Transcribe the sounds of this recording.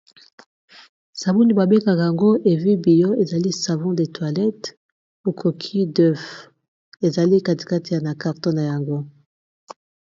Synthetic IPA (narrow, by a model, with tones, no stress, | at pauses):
sa˨bu˦ni˨ba˨be˦ka˨ka˨ja˨ŋɡo˦ʔe˨vi˦bi˨jo˦e˨za˨li˦sa˨vɔ̃˦de˨twa˨lɛ˦t | o˨kʰo˨kʰi˦dø˦f | e˨za˨li˦ka˦ti̥˨ka˦ti˨ja˨na˨ka˨ʁtɔ̃˦na˨ja˨ŋɡo˦